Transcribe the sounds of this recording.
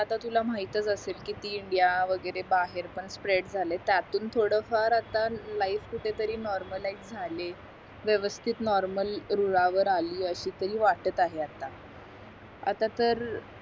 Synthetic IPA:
at̪at̪ulam̤aɦit̪ət͡səselkiːt̪iːiɳɖijaʋəɡəɾebaɦeɾpəɳspɾeɽd͡zʱalet̪jat̪uːnt̪ʰoɽəfaɾat̪alaifkuʈʰet̪əɾiːnɔɾməlaid͡zd͡zʱale | ʋjəʋəst̪ʰit̪nɔɾməlɾuɭaʋəɾaliːəɕiːt̪əɾiːʋaʈət̪aɦeat̪a | a̰t̪at̪əɾ

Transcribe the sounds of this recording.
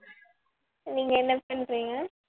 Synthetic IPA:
niːŋɡɐɛnːɐpɐɳɾiːŋɡɐ

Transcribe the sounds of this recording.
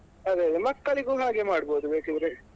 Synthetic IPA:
ɐd̪eɐd̪emɐkːɐɭiɡuːɦaːɡemaːɽboːd̪ubeːkend̪ɐɾe

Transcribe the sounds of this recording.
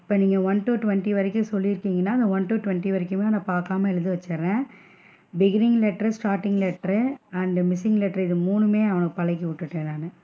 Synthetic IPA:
ɪpːoːniːŋɡɐʋɐnʈuːʈʋɐɳʈiʋɐɾɪkːɯ̃sɔlːɪɾɯkːiːŋɡɐnːaːɐðɐʋɐnʈuːʈʊʋɐɳʈiʋɐɾɪkːɯmeːnãpaːɾkaːmɐɛɻɯðɯʋɐt͡ʃːɾẽː | bɪɡɪnɪŋlɛʈːɐɾsʈaːɾʈɪŋɡlɛʈɐɾɐɳɖmɪsɪŋɡlɛʈːɐɾɪðɯmuːnɯmeːɐʋɐnɯkːɯpɐlɐɪk̬ːiʋʊʈːɯʈːeːnaːnɯ

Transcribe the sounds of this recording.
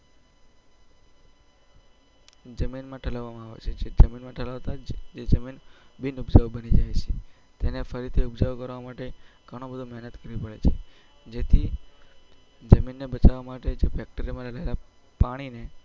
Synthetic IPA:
d͡ʒəminmãʈʰəlaʋamãaʋḛt͡ʃʰed͡ʒʰed͡ʒəminmãʈʰəlaʋt̪ad͡ʒed͡ʒʰəminbinubd͡ʒəʋbənid͡ʒajt͡ʃʰe | t̪enefəɾit̪ʰiubd͡ʒəʋkəɾʋamaʈeɡ̥ʱəɽ̃obəd̪ʱomɛɦnət̪kəɾʋipəɭet͡ʃʰe | d͡ʒet̪ʰi | d͡ʒəminːebət͡ʃaʋamaʈed͡ʒefɛk̚ʈəɾimãɾələɦela | paɽ̃ine

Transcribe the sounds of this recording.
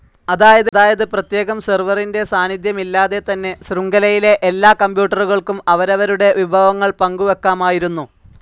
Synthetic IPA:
ɐðaːjɐðɨðaːjɐðɨprɐt̪je̞ːɣɐmserʋɐrinde̞saːnid̪jɐmilːaːðe̞t̪ɐnːe̞sruŋɡɐlɐjile̞ʔelːaːkɐmpjuːʈːɐruɣɐɭkumɐʋɐɾɐʋɐɾuɽe̞ʋibʱɐʋɐŋːɐɭpɐŋɡuʋe̞kːaːmaːjiɾunːu

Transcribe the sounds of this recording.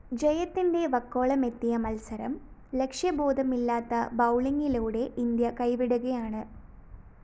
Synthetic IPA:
d͡ʑɐjɐt̪ːinde̞ʋɐkːo̞ːɭɐme̞t̪ːijɐmɐlsɐɾɐ̰m | le̞kʂjɐbo̞ːd̪ʱɐmilːaːt̪ːɐbɐwɭiŋɡiluːɽe̞ʔind̪jɐkɐjʋiɽuɣɐjaːɳɨ

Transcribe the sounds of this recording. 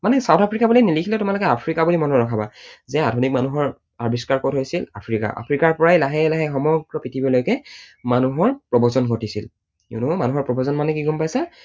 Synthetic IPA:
manɛsawtʰapʰɹikabulinilikʰilɛtʊmalokɛapʰɹikabulimɔnɔɹɔkʰabazɛadʰʱonik̚manuɦɔɹ | aɹbiskaɹkɔtɦojsila̰pʰɹika̰ʔa̰pʰɹikaɹpɔɹajlaɦɛlaɦɛxɔmɔɡɹɔpitʰibilojkɛmanuɦɔɹpɹɔbɔzɔnɡʱotisil | ḭnumanuɦɔɹpɹɔbɔzɔnmanɛkiɡɔmpajsa

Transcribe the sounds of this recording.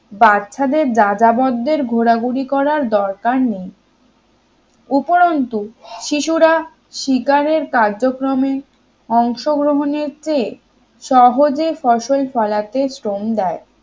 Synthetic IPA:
batːɕʰad̪eɾd͡ʑad͡ʑabɔd̪ːeɾɡʱoɾaɡuɽikɔɾaɾd̪ɔɾkaɾnej | upoɾont̪uʃiʃuɾa | ʃikaɾeɾkaɾd͡ʑokɾome | ɔŋʃoɡɾoɦoneɾt͡ɕe | ʃɔɦod͡ʑefɔʃolfɔlat̪esɾomd̪ɛe

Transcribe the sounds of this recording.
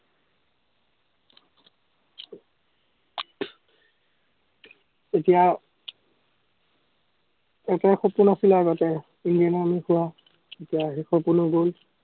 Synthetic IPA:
etija | ɛtɛxopunasilaɡɔtɛ | indianamixuwa | etijaɦexopunɔɡol

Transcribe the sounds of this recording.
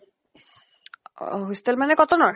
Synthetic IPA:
ɦust̪elmanekɔt̪onɔɾ

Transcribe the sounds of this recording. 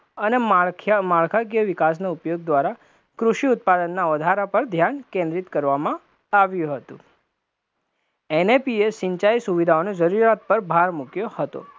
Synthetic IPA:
ənemaɭkʰaɡjəʋɪkas̬naupjoɡ̚d̪ʋaɾa | kɾuʃiut̪̚pad̪ənːaʋəd̪ʱaɾapəɾd̪ʱjankẽnd̪ɾit̪kəɾʋamã | aʋjũɦət̪ṵ̃ | enepiesɪɲt͡ʃajsuʋid̪ʱaoned͡ʒəɾuɾat̪̚pəɾbʱaɾmukjohət̪o̰

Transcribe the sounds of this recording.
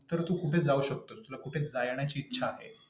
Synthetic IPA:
t̪əɾt̪ukuʈʰet͡sd͡zauɕək̚t̪oːst̪ulakuʈʰet͡sd͡zajɳjat͡ɕiːtːɕʰaːɦḛ

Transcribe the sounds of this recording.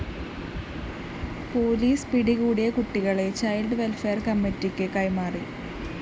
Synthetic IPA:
po̞ːliːspiɽiɣuːɽijɐkuʈːiɣɐɭet͡ɕɐjlɖʋe̞lfe̞ːrkɐmːitːikʲːɨkɐjmaːri

